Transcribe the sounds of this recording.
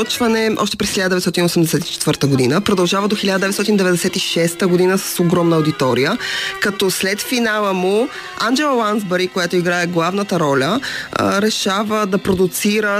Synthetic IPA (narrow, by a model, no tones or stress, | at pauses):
ət͡ʃvɐnɛʔɔ̰ʃt̪ɛ̥pɾɛsxʲiʎad̪d̪ɛvɛt̪t̪ɔt̪inosɛmd̪ɛsɛt̪i̥t͡ʃɛt̪vəɾt̪əɡod̪inəpɾod̪ɐlˠʒavəd̪oxilʲad̪əd̪ɛvɛt̪sɔt̪inid̪ɛvɛd̪ɛsɛt̪iʃɛst̪əɡod̪inəsə̥soɡɾɔmnəʊd̪it̪ɔɾijəkɐt̪ɔslɛt̪finalˠəmu | and͡ʒɛlˠəlˠanzbɛɾikojat̪oiɡɾaɛɡlˠavnət̪əɾɔlʲəɾɛʃavəd̪ɐpɾod̪ʊt̪siɾə